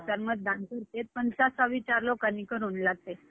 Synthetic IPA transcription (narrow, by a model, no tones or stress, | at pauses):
səɾməd͡z̪̚d̪ʱãnt̪uɾt̪et̪̚pənsasaʋit͡ɕaɾlokanikəɾuːnlaɡ̚t̪e